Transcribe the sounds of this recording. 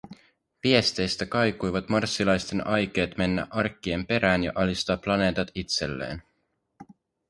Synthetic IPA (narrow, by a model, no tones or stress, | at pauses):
ʋie̞st̪e̞jst̪ækɑjkujʋɑt̪mɑrsːilɑjst̪e̞nɑjk̟e̞ːt̪me̞nːæ̰ʔɑrkːiempe̞ɾæːnjɑ̰ʔɑlist̪ɑːpːlɑne̞ːt̪ɑt̪it̪se̞lːḛːn